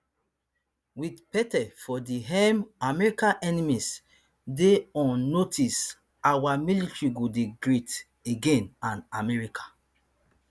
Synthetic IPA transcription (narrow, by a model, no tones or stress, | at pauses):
widpɛtɛfɔdiɦɛmamɛɹikãʔɛnimis | deɔ̃nːotʰis | awamilitɹiɡodeɡɹit | eɡẽnãnamɛɹikʰḁ